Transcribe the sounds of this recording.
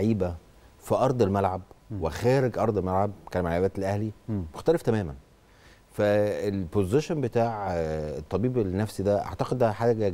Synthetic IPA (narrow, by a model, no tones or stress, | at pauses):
ʕiːbæ | fiʔɑɾˤd̪ˤelmælʕab̚wexæːɾeɡʔɑɾˤd̪ˤelmælʕab̚kæːlmaʕabæːt̪elʔæhlimoxt̪æleft̪æmæːmæn | fæelpozeʃonbet̪aːʕet̪ˤːɑbiːbelnːæfsid̪æʔa̰ʕt̪ɑqed̪ʔæħaːɡæ